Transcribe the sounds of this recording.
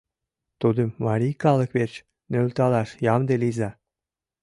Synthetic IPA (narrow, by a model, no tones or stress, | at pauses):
t̪ud̪ə̆mmɑɾʲikɑlə̆kβet͡ɕ | nølt̪ɑlɑʃjɑmd̪elizɑ